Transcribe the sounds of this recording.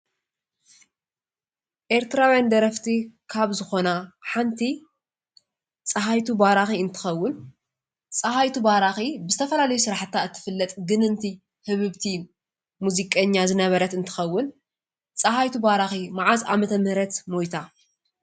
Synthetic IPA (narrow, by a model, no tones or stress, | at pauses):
ʔe̞ɾt̪ʰɨɾawjand̪ɐɾɐft̪ʰikʰaβzɨxo̞naħant̪ʰi | t͡sʼɐɦajt̪ʰubaɾaxiɨnt̪ʰɨ̥xɐwːʊn | t͡sʼɐhajt̪ʰubaɾaxibɨzɨt̪ʰɐfɐlalɐjusɨɾaħt̪ʰːaɨt̪ʰːɨ̥fɨlːɐt̪ʼɡɨnɨnt̪ʰi | hɨβɨβt̪ʰi | muzikʼɐɲːazɨnɐβɐɾɐt̪ɨnt̪ʰɨ̥xɐwːʊn | t͡sʼɐɦajt̪ʰubaɾaximaʕaza̰mɐt̪ʰɐmɨhɾɐt̪mojt̪ʰa